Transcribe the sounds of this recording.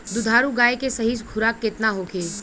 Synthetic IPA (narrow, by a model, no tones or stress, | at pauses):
d̪ʊd̪ʱaːɾuɡaːjekesɐɦisɡʱʊɾakːɪt̪naɦokʰeː